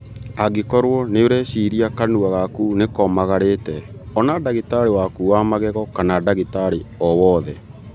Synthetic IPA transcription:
aɡekɔɾwɔneoɾɛɕiɾiakanuaɣakunekɔmaɣaɾetɛɔnadaɣitaɾewakuamaɣɛɣɔkanadaɣitaɾeɔwɔðɛ

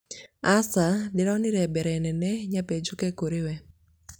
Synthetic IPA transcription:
asadɪɾɔnɪɾɛbɛɾɛnɛnɛɲaped͡ʒokɛkoɾɪwɛ

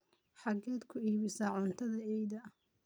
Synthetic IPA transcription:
ħɑɡɛːd̪kʰʊiːβɪsɐʕʊnt̪ʰɐðɐɛjd̪ɐ

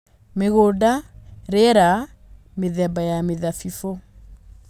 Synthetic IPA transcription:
meɣodaɾɛɾa | meðɛbajameðafifo

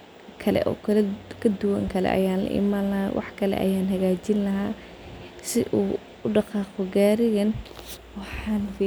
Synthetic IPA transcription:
kʰɐlɛ̰ʔɔ̰ːkʰɐlɛkʰɐd̪ʊwɐ̰ŋkʰɐlɛ̰ʔɐ̰jaːnlɐ̰ʔɪ̰maːnlɐɦawʔɑ̰ħkʰɐlɛ̰ʔɐ̰jaːnɦɐɣaːt͡ʃɪnlɐɦaː | sɪʔuː | ʊɖɑqɑːqʊɡaːɾɪɣɐnwɑħɑːnf

